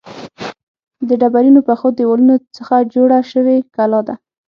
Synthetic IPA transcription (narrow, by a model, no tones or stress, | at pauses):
d̪əɖabaɾinopəxod̪əwalunot͡səxad͡ʒoɽaʃəwekalɑd̪a